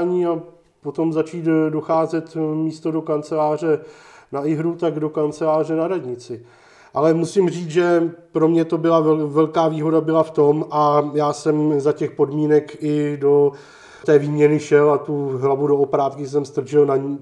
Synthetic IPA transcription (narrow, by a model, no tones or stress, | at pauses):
ɲiːa | pot̪o̞mzat͡ʃiːt̪doxaːzɛt̪miːst̪o̞do̞kant͡sɛlaːr̝ɛnaɪɦɾut̪aɡdo̞kant͡sɛlaːr̝ɛnaɾadɲɪt͡sɪ | ʔalɛmusɪmriːt͡sʒɛpɾo̞mɲɛt̪o̞bɪlaɛvɛlkaːviːɦo̞dabɪlaft̪o̞mʔajaːsɛmzacɛxpo̞dmiːnɛkɪdo̞ | t̪ɛːviːmɲɛnɪʃɛlat̪uɦlavudoopɾaːt̪kɪs̬ɛmst̪r̩ʒɪlnaɲi